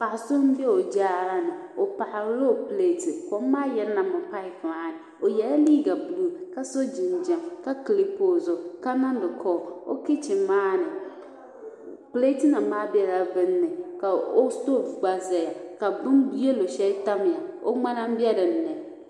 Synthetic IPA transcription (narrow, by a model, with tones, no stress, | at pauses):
pa˨so˦m˦bɪ˦e˦o˨d͡ʒaː˦ɾa˦nɪ˨o˨pa˨ʔa˨˦lo˦˨ple˦˨tɪ˨kɔ˦m˦maː˦jɛ˦ɾna˨mʊ˨pa˦ɪ˨faː˦nɪ˨ | o˨jɛ˨la˦liː˦ɡa˨blu˦˨ka˦so˦d͡ʒi˨nd͡ʒa˨mka˦kli˦po˨zo˨ka˦na˦n˦dʊ˨kʰɔː˦˨o̰˦kɪ˦t͡ʃɪ˨maː˦nɪ˨ | ple˦tɪ˦na˨maː˦bɪ˦ɛ˦˨ɾa˨vɪ˦nːɪ˨ka˨o˦sto˦˨fɡ͡ba˦zɛ˨ja˨ka˨bʊ˦nbi˦e˦lo˨ʃɛ˦ta˦mɪ˨a˨o̰˦ŋ͡ma˦na˦m˦bɪ˦ɛ˦ɾɪ˨n̩˨nɛ˨